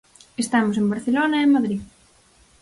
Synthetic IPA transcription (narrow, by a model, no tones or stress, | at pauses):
est̪amos̬embaɾθelonɐemːaðɾið